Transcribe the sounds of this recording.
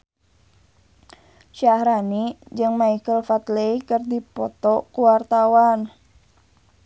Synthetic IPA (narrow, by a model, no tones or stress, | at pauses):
ʃahɾanid͡ʒɨŋmaikəlfat̪leikərdipɔt̪ɔkuwart̪awan